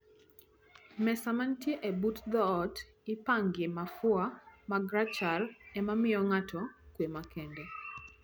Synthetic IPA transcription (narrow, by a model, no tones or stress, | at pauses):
mɛsamantjeʔebutd̪ɔːt | ɪpaŋɡɪmafʊamaɡɾat͡ʃalɛmamɪɔŋatʰɔkwemakʰɛndɛ